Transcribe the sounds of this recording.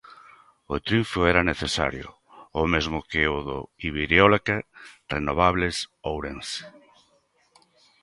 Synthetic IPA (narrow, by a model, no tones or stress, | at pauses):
ʊt̪ɾjuɱfoɛɾaneθesa̰ɾjʊ̰ | omezmʊkeoðʊiβiɾjolakerenoβ̞aβlesowɾens